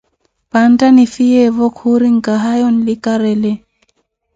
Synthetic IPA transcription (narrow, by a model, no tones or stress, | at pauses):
pantanifijɛvɔkhuɾiŋkaɦajɔnlikaɾɛlɛ